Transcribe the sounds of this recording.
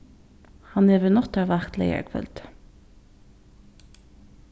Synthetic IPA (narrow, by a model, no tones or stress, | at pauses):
hɑneːʋənɔt̪ɑːʋæʁt̪lḛɪə̰ɹkʰfœ̰lt̪